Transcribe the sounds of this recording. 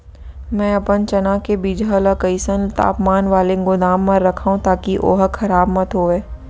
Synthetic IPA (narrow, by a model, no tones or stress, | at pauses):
mɛ̃ːɐpənt͡ʃɐnakebiːd͡ʒalakəɪsənt̪a̰ːpmaːnʋaːleɡʊd̪aːmːɐ̃ɾɾɐkʰaːũt̪aːkiʔo̰ːɦəxʰɐɾaːbmɐt̪ɦoːʋeː